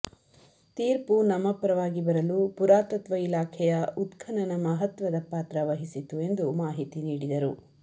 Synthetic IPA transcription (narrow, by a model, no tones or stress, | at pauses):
t̪iːɾpunɐmɐpɾɐʋaːɡibɐɾɐlupuɾaːt̪ɐt̪ʋɐilaːkʰɛjɐut̪kʰɐnɐnɐmɐɦɐt̪ʋɐd̪ɐpaːt̪ɾɐʋɐɦisit̪ue̞nd̪umaːɦit̪iniːɽid̪ɐɾu